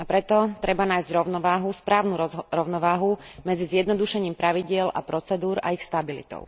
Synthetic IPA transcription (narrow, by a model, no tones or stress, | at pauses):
apɾɛt̪ɔt̪ɾɛbanaːjzɟɾɔʊnɔʋaːɦuspɾaːʊnuɾɔʊnɔʋaːɦumɛd͡zizjɛd̪nɔd̪uʃɛɲiːmpɾaʋiɟɪɛla̰pɾɔt͡sɛd̪uːɾa̰ixst̪abilḭt̪ɔ̰ʊ